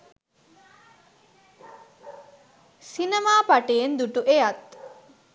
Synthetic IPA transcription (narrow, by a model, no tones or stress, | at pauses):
sinemaːpaʈeend̪uʈuʔejat̪